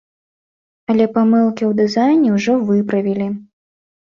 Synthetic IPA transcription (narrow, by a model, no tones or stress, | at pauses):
ɐlʲɛpamɨlˠkʲiwd̪ɨzajnʲiwʐɔvɨpɾɐvʲilʲi